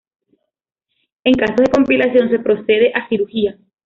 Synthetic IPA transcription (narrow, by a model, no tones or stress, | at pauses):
e̞ŋkasoðe̞ko̞mpilasjo̞nse̞pɾo̞se̞ð̞e̞ʔasiɾuɾxia